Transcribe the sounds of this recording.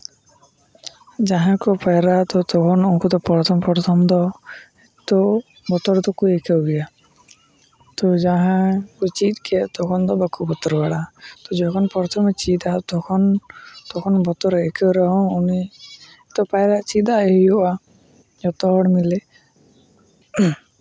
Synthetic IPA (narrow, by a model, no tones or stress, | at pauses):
d͡ʒaɦãkɔpajɾat̪ɔt̪ɔkʰɔnɔkɔt̪ɔpɔɾt̪ʰɔmpɔɾt̪ʰɔmd̪ɔ | et̪ɔ | bɔt̪ɔɾt̪ɔkuekʰewɡɛja | t̪ɔd͡ʒaɦãkut͡ʃit̪kʰet̪ɔkʰɔnd̪ɔbakubɔt̪ɔɾbaɽat̪ɔd͡ʒɔkʰɔnpɔɾt̪ʰɔmet͡ʃid̪at̪ɔkʰɔnt̪ɔkʰɔnbɔt̪ɔɾekʰewɾɔɦɔ̃uni | et̪ɔpajɾat͡ʃid̪aeɦiɔʔa | d͡ʒɔt̪ɔɦɔɽmile